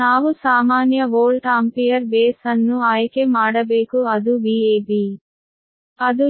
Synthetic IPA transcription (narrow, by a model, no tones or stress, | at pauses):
naːʋusaːmaːnjɐʋoːɭʈaːmpijɐɾbeːsɐnːuaːjɐkeːmaːɽɐbeːkuɐd̪ubiːeːbi | ɐd̪u